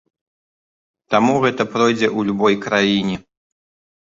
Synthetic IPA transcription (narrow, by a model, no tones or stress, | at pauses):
t̪amuɣɛt̪ɐpɾɔjd͡zʲɛʔulʲubɔjkɾajinʲɛ